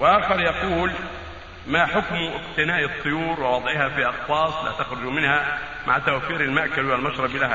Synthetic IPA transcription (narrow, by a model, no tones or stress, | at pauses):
wʔaːxɑɾˤjɑquːl | maħʊkmʔɪqt̪ɪnaːʔɨt̪ˤːʊjuːɾwɪwɑd̪ˤʕɪhafiʔɑqwɑːsˤla̰t̪axɾʊd͡ʒmɪnha | maʕt̪awfiːɾɪlmaʔkalɪalmaʃɾˤɑblah